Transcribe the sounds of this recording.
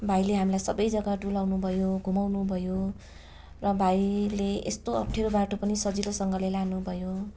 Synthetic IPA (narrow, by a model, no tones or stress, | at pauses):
bʱaileɦamilajsʌbʌjd͡zʌɡaɖulawnubʱʌjoɡʱumawnubʱʌjo | rʌbʱajileest̪oʌp̚ʈʰeɾobaʈʰopʌnisʌd͡zilosʌŋɡʌlelanubʱʌjo